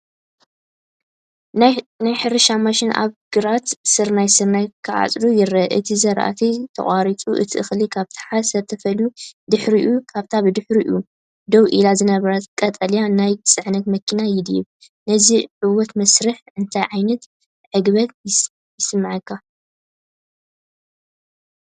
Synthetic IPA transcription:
najħɨɾɨʃamaʃɪna̰βɡ̥ɨɾat̪sɨɾnajsɨɾnajkʰɨʕa̰t͡sʼlujɪɾɐʔɨt̪ʰizɐɾʔa̰t̪ʰit̪ʰɐ̰χʼaɾit͡sʼuʔɨ̰t̪ʰiʔɨxlikʰaβt̪ʰɐ̥ħasɐβt̪ʰɐfɐljud̪ɨħɾiʔukʰaβt̪ʰabɨd̪ɨħɾiʔu | d̪owʔilazɨnɐβɐɾɐt̪kʼɐt̪ʼɐljanajt͡sʼɨʕnɐt̪mɐkʰinajɪd̪jɛ̰β | nɐziʕɨwɔt̪mɐsɾɨħʔɨnt̪ʰajʕajnɐt̪ | ʕɨɡβɐt̪jɪ | jɪsɨmːɨʕɨkʰːa

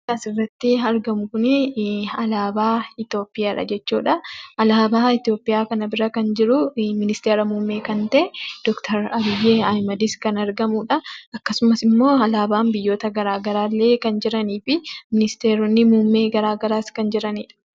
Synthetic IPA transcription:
aːsɪrːɐt̪ːɪɐɾɡɐmʊkʊnɪɐlaːbaːɪt̪jo̞ːpːɪjaːᶑɐ̰d͡ʒɛt͡ʃːuːᶑɐʔɐlaːbaːɪt̪ɪjo̞ːpːɪjaːkɐnɐbɪɾɐkɐnd͡ʒɪɾʊmɪnɪst̪eːɾɐmuːmːe̞ːkɐnt̪ɐʔɛd̪̥ɔkt̪ʰɐɾɐbɪjːeːɐjmɐd̪ɪskɐnɐɾɡɐmuːᶑɐɐkːɐsʊmɐsɪmːo̞ːɐlaːbaːmbɪjːo̞ːt̪ɐɡɐɾaːɡɐɾaːlːe̞ːkɐnd͡ʒɪɾɐniːfɪmɪnɪst̪e̞ːɾɔnːɪmuːmːe̞ːɡɐɾaːɡɐɾaːskɐnd͡ʒɪɾɐniːᶑɐ̥

